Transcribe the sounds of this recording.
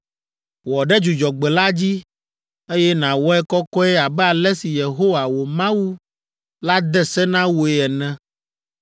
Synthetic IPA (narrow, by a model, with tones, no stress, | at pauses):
wɔ˨ɖɛ˦d͡ʒu˨d͡ʒɔ˨ɡ͡bɛ˨la˦d͡ʑi˦ | e˦jɛ˦nã˨wɔ˦ɛ˦kɔ˦kɔ˦ɛ˦a˨bɛ˦a˨lɛ˦si˨je˨ɦo˦wa˨wo˨mã˦wu˦ | la˦d̪ɛ˦sɛ˦nã˦wo˨ɛ˨nɛ̃˦